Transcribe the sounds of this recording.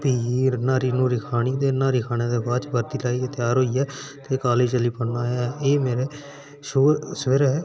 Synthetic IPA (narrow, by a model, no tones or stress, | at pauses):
piːiːnaːɾiːnũːɾɪkʰaːɽ̃iːd̪eːnaːɾɪkʰaːñeːd̪eːbaːt͡ʃbəɾt̪iːlaːiet̪ɪjaːɾɦoːiːɛːt̪eːkaːleːd͡ʒt͡ʃəliːpənaːjaeːmeːɾeː | soːsʋeːɾeɦɛː